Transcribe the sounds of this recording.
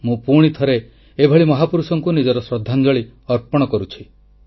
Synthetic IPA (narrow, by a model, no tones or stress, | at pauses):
mũpuɽ̃it̪ʰɔɾe | ebʱɔɭimɔɦapuɾusɔŋkunid͡ʒɔɾɔsɾɔd̪ʱːand͡ʒɔɭiɔɾpɔɽ̃ɔkɔɾut͡ʃʰi̥